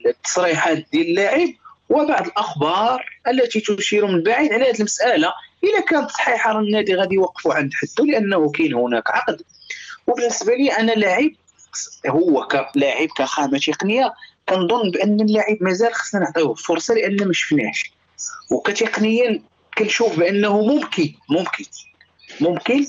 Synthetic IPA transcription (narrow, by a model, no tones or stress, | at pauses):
t̪ːɑ̥sˤɾiħat̪̚d̪jæləlːaʕib̚ | wəbaʕd̪ˤəlʔəxbɑɾˤʔəlːæt̪it̪ʊʃiɾumənlbaʕid̪ʕalæhæd̪ilməsʔælaʔəlækænət̪sˤħiħɑɾˤnːæd̪iɣæd̪iwɑqːfuʕənd̪ħat̪ːuləʔənːhukænhʊnækʕɑqd̪ | wbənːəsbæliʔænːælaʕib̚ | hʊwːækælaʕib̚kæxæmæt̪iqnəjːakænd̪ˤonːbʔənːəlːaʕibmæzælxɑ̥sːnænəʕt̪ˤiʊbfʊɾˤsˤɑləʔənːæmæʃə̥fnæʃ | wkæt̪eqnəjːæ | kænʃufbʔənːhumʊmkimʊmkə | mʊmkən